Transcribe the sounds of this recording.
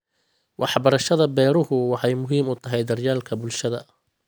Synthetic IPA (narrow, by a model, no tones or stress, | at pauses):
wʔɑħbɐɾɐʃɐðɐbɛːɾʊhʊwɑħɑjmʊɦiːmʊt̪ʰɐɦɛjd̪ɐrjaːlkʰɐbʊlʃɐðɐ̰